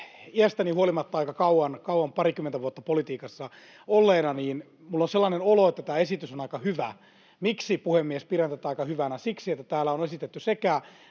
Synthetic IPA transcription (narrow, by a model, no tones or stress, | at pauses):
iæst̪ænihuolimɑt̪ːɑɑikɑkɑuwɑnkɑwɑmpɑrikymːent̪æʋuot̪ːɑpolit̪iːkɑsːɑ | olːeːnɑniːn | mulːonselːɑnenoloet̪ːæt̪æːesit̪ysonɑikɑhyʋæ | miksipuhemːiespirent̪æt̪ːɑikɑhyʋænæsiksiet̪ːæt̪æːlːæonesit̪et̪ːysekæ